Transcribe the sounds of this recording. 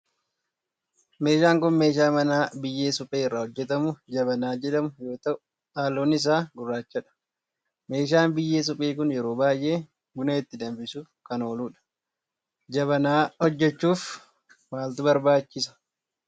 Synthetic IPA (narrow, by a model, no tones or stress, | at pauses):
me̞ːʃaːŋkʊnme̞ːʃ̬aːmɐnaːbɪjːeːsʊpʼeːɪrːɐhɔd͡ʒːɛt̪ɐmʊd͡ʒɐbɐnaːd͡ʒɛᶑɐmʊjo̞ːt̪ɐʔʊ | aːlːoːnɪs̬aːɡʊrːaːt͡ʃːɐᶑɐ̥ | me̞ːʃ̬aːnbɪjːe̞ːs̬ʊpʼeːkʊnjɛɾo̞ːbaːjʔe̞ː | ɡʊnɐɪt̪ːɪd̪ɐmbɪsuːfkɐno̞ːluːᶑɐ̥ | d͡ʒɐβɐnaːhɔd͡ʒːɛt͡ʃːuːf | waːlt̪ʊbɐɾbaːt͡ʃːɪs̬ɐ̥